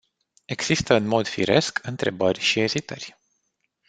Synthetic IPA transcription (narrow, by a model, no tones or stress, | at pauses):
e̞ɡ̥sist̪əɨnmo̞d̪fḭɾe̞̰skʰɨnt̪ɾe̞bərʲʃie̞zit̪ə̰rʲ